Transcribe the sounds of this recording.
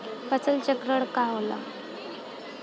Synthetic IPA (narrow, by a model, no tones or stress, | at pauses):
pət͡səlt͡ɕəkɾəɽkaɦola̰